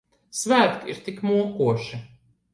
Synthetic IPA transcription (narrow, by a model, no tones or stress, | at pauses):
svæːɾk̪ḭɾt̪ikmuɔkuɔʃi